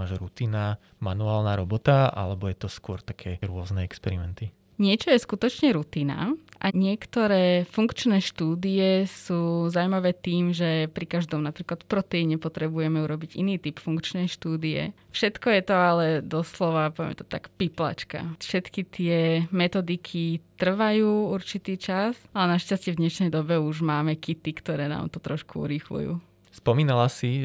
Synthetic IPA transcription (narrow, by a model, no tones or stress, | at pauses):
aʒɾut̪iːna | manuaːlnaɾɔbɔt̪aʔa̰lɛbɔjɛt̪ɔskʊɔɾt̪akʰɛːɾʊɔznɛɛkspɛɾimɛnt̪i | ɲɪɛt͡ʃɔjɛskut̪ɔt͡ʃɲɛɾut̪iːna̰ʔaɲɪɛkt̪ɔɾɛːfuŋkt͡ʃnɛːʃt̪uːd̪iɛsuːzawmaʋɛːt̪iːmʒɛpɾikaʒd̪ɔmnapɾiːklat̪fpɾɔt̪ɛiɲɛpɔt̪ɾɛbujɛmɛuɾɔbiɟḭniːt̪ipfuŋkt͡ʃnɛjʃt̪uːd̪ijɛ̰fʃɛt̪kɔjɛt̪ɔalɛd̪ɔslɔʋapɔʋɛ̰mɛt̪ɔ̥t̪a̰kpipla̰t͡ʃka̰fʃɛt̪kit̪ɪɛmɛt̪ɔd̪ikʰit̪r̩ʋajuːuɾt͡ʃit̪iːt͡ʃasalɛnaʃcascɪɛvd̪ɲɛʃnɛjd̪ɔbɛuʒmaːmɛkit̪ikt̪ɔɾɛːna̰ːmt̪ɔt̪ɾɔʃkuṵɾixlṵjṵː | spɔmiːnalasi